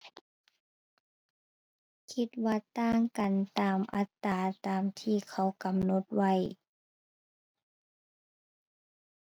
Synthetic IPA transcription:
kʰi˧˥t̪̚waː˧t̪aː˧˥˩ŋka˨nt̪aː˨mʔa̰˧˥t̪ːaː˨t̪aː˨mt̪ʰiː˧˩kʰa˧˩wka˨mno˧˦t̪̚wa˧˩j

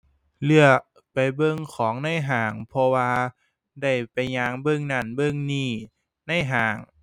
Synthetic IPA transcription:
lɯ˧˩ək̚ | pa˨jbɤ˧˩ŋkʰɔː˩˦ŋna˧˥˩jɦaː˨˩˦ŋpʰɔ˧waː˧ | da˥˩jpa˨˧jɲaː˧˥ŋbɤ˧˩˨ŋna˧˩nbɤ˧˥˩ŋniː˧˩ | na˧˥˩jɦaː˨˦ŋ

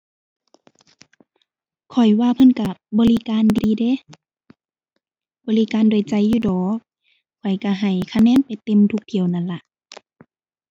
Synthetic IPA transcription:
kʰɔ˨˩jwaː˧˨pʰɤ˧˥˨nka˧˩bɔː˧˨li˧˨kaː˧˨ndiː˧de˧˦ | bɔː˧li˧˨kaː˧˨ndoː˨˩jt͡ɕa˧jːuː˧˩dɔː˨˦k̚ | kʰːɔ˨˩jka˧˩ɦa˨˩jkʰa˧˨nɛː˧˥˨npa˨jt̪e˧˨mt̪ʰu˧k̚t̪ʰi˨˩əwna˧˥˨nla˧ʔ

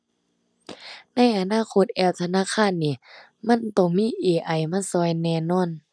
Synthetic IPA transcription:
na˧˥˨jʔa˧naː˧˥˨kʰo˧˥t̪̚ʔɛː˧˩w̚t̪ʰa˧naː˧˥˨kʰaː˧˥˨nːiː˧˨ | ma˧˥˨nt̪ɔ˧˩ŋmiː˧˥˨ʔeː˧˩ʔa˧˩jma˧˥˨sɔː˧˨jnɛː˧˨nɔː˧˥˨n

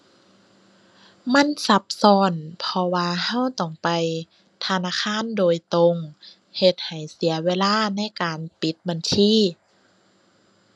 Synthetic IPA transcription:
ma˧˥˨nsa˧˦p̚sɔː˧˩npʰɔ˧waː˧ha˧˥˨wt̪ɔ˧˨˩ŋpa˨j | t̪ʰa˧naː˧˥˨kʰaː˧˥˨ndoː˨jt̪o˧ŋ | he˧t̪̚ha˨˩jsi˨˦ɐweː˧˥˨laː˧˥˨na˧˥˨jkaː˨npi˨˦t̪̚ba˨ntʰiː˧˥˨

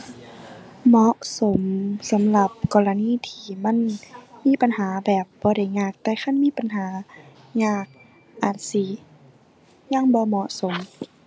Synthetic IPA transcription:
mɔ˧˥ʔso˨˦msa˨˦mla˧˩p̚kɔː˧˨la˧niː˧˥˨t̪ʰiː˧˩ma˧˥˨nmiː˧˥˨pa˨nhaː˨˦bɛː˨˩p̚bɔː˧˦ɾa˧˩jɲaː˧˩k̚t̪ɛː˧˦xʰa˧˥˨nmiː˧˥˨pa˨nɦaː˨˦ | ɲaː˧˩k̚ | ʔaː˨˩t̪̚si˧˦ | ɲa˧˥˨ŋbɔː˧˦mɔ˧˥ʔso˨˦m

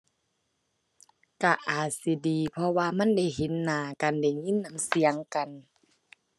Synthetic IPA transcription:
ka˧˩ʔaː˨˩t̪̚si˨˧˦diː˨pʰɔ˧waː˧ma˧˥˨nda˧˥˩jɦe˨˦nːaː˨˧˦kaː˨nda˧˩jŋi˧˥˨nːa˧˦msi˨˦ɐ˦ŋka˨n

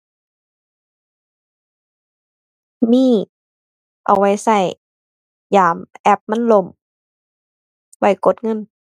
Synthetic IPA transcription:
miː˧˥˩ | ʔa̰˨˩wa˧˩jsa˧˩j | jaː˨˦mʔɛ˧˦p̚ma˧˥˨nlo˧˩m | wa˧˩jko˧˦t̪̚ŋɤ˧˥˨n

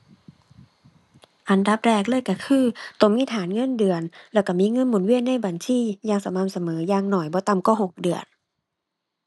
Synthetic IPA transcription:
ʔa˨˩nda˧˦p̚ɾɛː˧˩k̚lɤː˧˥˨jka˧˩kʰɯː˧˩t̪o˧˩ŋmiː˧˥˨t̪ʰaː˨˦nŋɤ˧˥˨ndɯ˨˩ənlɛ˧˩ka˧˩miː˧˥˨ŋɤ˧˥˨nmuː˨˩˦nwi˧˩ənːa˧˥˨jba˨˩nsiː˧˥˨jaː˧˩ŋsa˧˦ma˧˥˨msa˧mɤː˨˦jaː˧˩ŋnɔː˨˩jbɔː˧˦t̪a˧˩mkɔː˧˩ɦo˨˩k̚dɯ˨˩ən

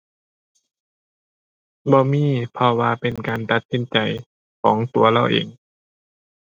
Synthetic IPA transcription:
bɔː˧miː˧˥˨pʰɔ˧waː˧pe˨nkaː˨nt̪a˧˦t̪̚si˧˦nt͡ɕa˨˩j | kʰɔː˩˦ŋt̪u˨˩ɐla˧˥˩wʔḛː˨˩ŋ

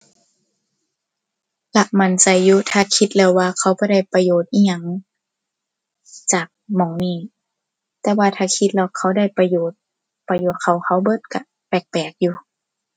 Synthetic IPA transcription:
la˧ʔma˧˩˨nsa˧˩jːuː˧˦t̪ʰaː˧˩kʰi˧˦t̪̚lɛː˧˩wːaː˧kʰa˧˥˩wbɔː˧˦da˧˩˨jpa˧joː˨˩t̪̚ʔiː˧ɲa˧˩ŋ | t͡ɕaː˨˩k̚mɔː˨˦ŋniː˧˩ | t̪ɛː˧waː˧t̪ʰaː˧kʰi˧˥t̪̚lɛ˧˩wkʰa˧˥˩wda˧˩˨jpa˧joː˨˩t̪̚ | pa˧joː˧˦t̪̚kʰa˧˩wkʰa˧˥˩wbɤ˧˥t̪̚ka˧ | pɛː˧˩k̚pɛː˨˩k̚juː˧

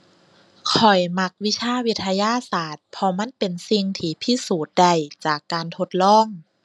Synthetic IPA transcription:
kʰɔ˨˩jma˧˩k̚wi˧˥sʰaː˧˥˨wi˧˥t̪ʰːa˧jaː˧˥˨saː˨˩t̪̚pʰɔ˧ma˧˥˨npe˨nsi˧ŋt̪ʰiː˧˩pʰi˧˥suː˨˩t̪̚da˧˩jt͡ɕaː˨˩kːaː˨nt̪ʰo˧˦t̪̚lɔː˧˥˩ŋ

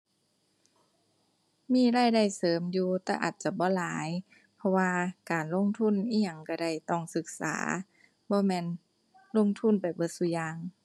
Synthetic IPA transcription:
miː˧˥˨ɾaː˧˥˨jda˧˩jsɤː˨˦mjuː˧t̪ɛː˧˩ʔa̰ː˨˩t̪̚t͡ɕa˧˩bɔː˧˦laː˨˦j | pʰɔ˧waː˧kaː˨˩nlo˧˥˨ŋt̪ʰu˧˥˨nʔiː˧˥˨ɲa˧˩ŋka˧˩da˧˩jt̪ɔ˧˩ŋsɯ˧˦k̚sa̰ː˩˦ | bɔː˧˦mɛː˧˥˨n | lo˧˥˨ŋt̪ʰu˧˥˨npa˨˩jbɤ˧˦su˧˦jaː˧ŋ

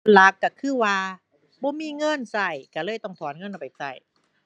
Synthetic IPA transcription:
la˧˦kːa˧˩kʰɯː˧˥˩waː˧ | bɔː˧˦miː˧˥˨ŋɤ˧˥˨nsa˧˩jkaː˧˩lɤː˧˥˩jt̪ɔ˧˩ŋt̪ʰɔː˨˦nŋɤ˧˥˨nʔa˧˩a˨˩sa̰˧˩j

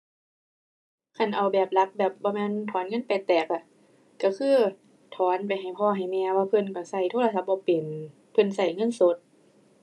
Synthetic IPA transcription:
kʰa˧˩nʔa˨˩wbɛː˨˩p̚la˧˥k̚bɛː˨˩p̚bɔː˧˦mɛː˧˥˨nt̪ʰɔː˨˦nŋɤ˧˥˨npa˨˩t̪ɛː˨˩k̚a˧˩ | ka˧˩kʰɯː˧˥˨ | t̪ʰɔː˨˦npa˨jɦa˨˩jpʰɔː˧ɦa˨˩jmɛː˧waː˧pʰɤ˧˥˨nkɔ˧˩sa˧˩jt̪ʰoː˧˥˨la˧s̬a˧˦p̚bɔː˧pe˨˩n | pʰɤ˧˥˨nsa˧˩jŋɤ˧˥˨nso˧˦t̪̚

